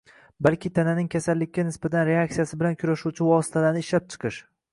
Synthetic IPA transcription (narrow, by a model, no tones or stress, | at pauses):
balkʲʰɪt̪ʰananɪŋkʲʰasalːɪkʲʰːanɪsbat̪ʰanɾe̞ak̚t̪sijasɪbɪlankʲʰʊɾaʃuwt͡ʃʰɪvɒsɪ̥t̪ʰalanɪʃlap̚t͡ʃʰɨ̥qʰɨʃ